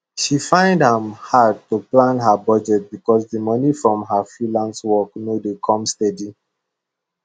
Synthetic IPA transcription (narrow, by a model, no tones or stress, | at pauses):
ʃifãɪ̃ndhãmhad̚tuplãnɦabɔd͡ʒɛt̚bikɔsdəmʌnifɹɔ̃mɦafɹilãnswɔknodekʰɔ̃mstɛdi